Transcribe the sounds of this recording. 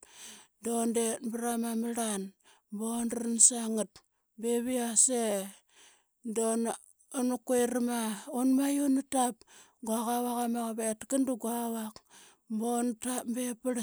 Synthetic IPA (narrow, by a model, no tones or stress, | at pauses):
dondetbaɾamamaɾan | bonnsaŋut̚ | beβiase | don | onukejɾamaonmajonutap̚ | ɡuakawakamakaβetkanduɡuawak | bontapmbepaɾ